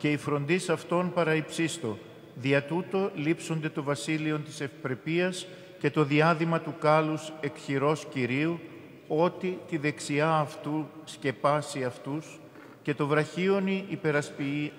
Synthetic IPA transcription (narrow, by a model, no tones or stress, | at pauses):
ce̞ifɾo̞nd̪isɐft̪o̞npɐɾɐipsist̪o̞ | ðiɐt̪ut̪o̞lipso̞nd̪e̞t̪o̞vɐsilio̞nt̪i̥se̞fipɾe̞piɐs | ce̞t̪o̞ðiɐðimɐt̪ukɐluse̞kçiɾo̞sciɾiu | o̞t̪it̪iðe̞ksiɐːft̪usce̞pɐsiɐft̪us | ce̞t̪o̞vɾɐçio̞niʔːpe̞ɾɐspii